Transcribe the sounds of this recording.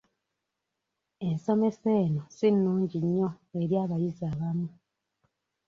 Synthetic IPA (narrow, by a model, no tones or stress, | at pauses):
e̞nso̞me̞se̞ːnosinːuːɲɟiɲːoeɾjaːβajizaːβamu